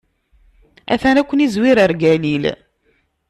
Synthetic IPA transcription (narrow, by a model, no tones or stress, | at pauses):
æ̰θænækʷːənizwiɾəɾɡælil